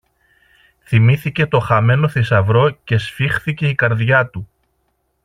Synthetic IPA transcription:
θimiθice̞t̪o̞xɐme̞no̞θisɐvɾo̞ce̞sfixθice̞ikɐɾðʝɐt̪u

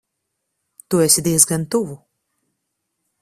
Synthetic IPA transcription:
t̪uɛsʲid̪iɛzɡant̪uvu

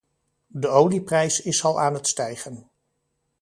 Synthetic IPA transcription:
dəowliprɛjsɪsɑlˠʔaːnətstɛjχən

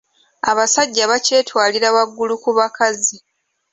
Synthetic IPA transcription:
aβasaɟːaβace̞ːtwaːliɾawaɡːulukuβakazi

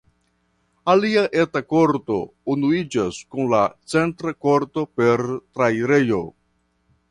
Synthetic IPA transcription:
aliaʔetakoɾto̞unuid͡ʒaskunlat͡se̞ntɾako̞ɾto̞pe̞ɾtɾajɾe̞jo̞

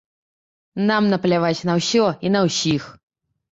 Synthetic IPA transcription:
namnɐplʲavatʲnɐwsʲɔinɐwsʲix

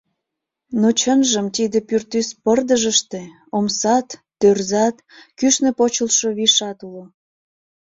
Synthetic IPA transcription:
not͡ɕənʒəmt̪id̪epyrt̪yspərd̪əʒəʃt̪e | omsɑt̪ːørzɑt̪ | kyʃnĕpot͡ɕəlʃoβiʃɑt̪ulo

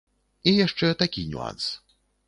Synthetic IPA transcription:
ejɛʃt͡ʃøːt̪ɛkiɲṵa̰ns

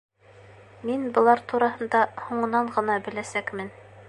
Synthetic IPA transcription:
minbɤ̆lˠɑɾt̪uɾɑɦɤ̆nd̪ɑhuɴɤ̆nɑɴʁɤ̆nɑbɘ̆læsækmɘn

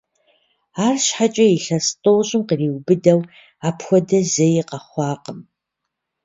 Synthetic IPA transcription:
aːrɕħat͡ʃʼɐiɬɐstʼoːɕʼɪmqəriːwbɨdɐw | aːpʰxʷɔdɐzejiqɐχʷɑːqəm

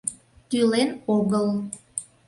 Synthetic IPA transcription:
t̪ylenoɣəl

